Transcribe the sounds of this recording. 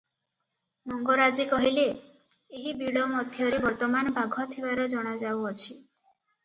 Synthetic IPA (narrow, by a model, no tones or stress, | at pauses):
mɔŋɡɔɾad͡ʒikɔɦile | eɦibiɽɔmɔd̪ʱjɔɾebɔɾt̪ɔmanɔbʱaɡʱɔt̪ʰibaɾɔd͡ʒɔɽ̃ad͡ʒawɔt͡ʃʰi